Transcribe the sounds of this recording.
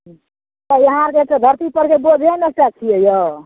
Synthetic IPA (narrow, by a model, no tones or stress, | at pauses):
t̪ʌjʌɦãɾket͡sʌd̪ʱʌɾt̪ipʌɾkebod͡zʱenesʈat͡sʰiejo